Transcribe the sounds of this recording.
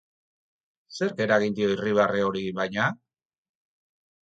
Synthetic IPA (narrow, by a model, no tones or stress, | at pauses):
se̞ɾɡe̞ɾaɣind̪io̞iriβ̞areoɾiβajɲa